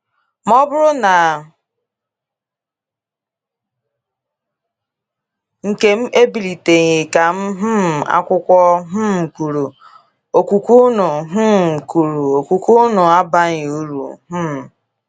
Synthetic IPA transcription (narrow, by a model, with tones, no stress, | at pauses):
mɔ˦bʊ˦ɾʊ˦na˨ | ŋ̩˨ke˦m̩˦ʔe˦bi˨li˨te˨ɲɪ˨ka˨m̩˦ɦ̩˦m̩˨a̰˦kʷʊ˦kʷɔ˦ɦ̩˦m̩˨ku˨ɾu˨ | o˨ku˨kʷu˦nʊ˨ɦ̩˦m̩˨ku˨ɾu˨o˨ku˨ku˦nʊ˨a˦ba˦ɲɪ˨u˦ɾṵ˨ɦ̩˦m̩˨